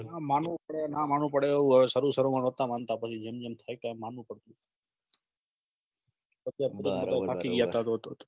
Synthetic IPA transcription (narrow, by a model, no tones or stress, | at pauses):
namanũpəɽenamanũpəɽeəʋũɦəʋesəɾusəɾomanət̪amant̪apət͡ʃʰid͡ʒemd͡ʒemt̪ʰajt̪oɛmanʋũpəɽt̪ũ | pət͡ʃʰjapəɾiət̪apʰakiɡjat̪at̪oɦət̪ot̪o